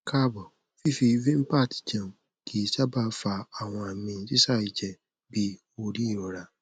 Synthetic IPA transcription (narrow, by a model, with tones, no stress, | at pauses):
ka˦bɔ˨ | fi˦fi˧vĩ˦m̩˦pa˦˨ti̥˨d͡ʒã˨ | kʰi˦˧ʃa˦ba˦fa˧a˨w̃ɔ̃˧a˨mĩ˧˨˦ti˦sa˦˨i˨d͡ʒɛ˨ | bi˦ | o˧ɾi˦i˦˨ɔ˨ɾa˨˧